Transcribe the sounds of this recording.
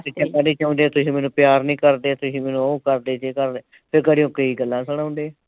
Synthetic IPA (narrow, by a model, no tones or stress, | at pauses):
pɪt͡ʃãkaɖiːt͡ʃãːʊ̃nd̪eːt̪ʊsĩːmɛːnũːpjaːɾnĩːkəɾd̪eːt̪ʊsĩːmɛːnũːəũːkəɾd̪eːt͡ʃeːkəɾd̪eː | pʰɪɾkəɽiːõːkəiːɡəlːãːsəɽ̃ãːʊ̃nd̪eː